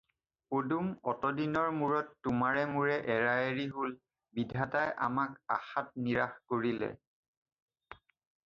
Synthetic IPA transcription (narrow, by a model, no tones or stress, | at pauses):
odumɔtɔdinɔɹmuɹɔtːʊmaɹɛmuɹɛʔɛɹaeɹiɦol | bidʱatajʔa̰maka̰xat̚niɹaxkoɹilɛ̰